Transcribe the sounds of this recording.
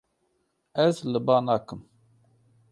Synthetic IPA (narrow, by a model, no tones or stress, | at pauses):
æzləbaːnaːkəm